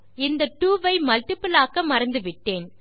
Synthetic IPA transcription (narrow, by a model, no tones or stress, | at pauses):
ɪnd̪ɐʈuːʋɐɪmɐlʈɪpɯlaːkɐmɐɾɐnd̪ɯʋɪʈːeːn